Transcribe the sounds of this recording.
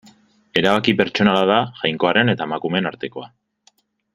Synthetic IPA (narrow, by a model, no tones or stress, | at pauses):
e̞ɾaβ̞akipe̞ɾt͡ʃo̞nalaðaʝajŋko̞aɾe̞ne̞t̪aemakume̞naɾt̪e̞ko̞a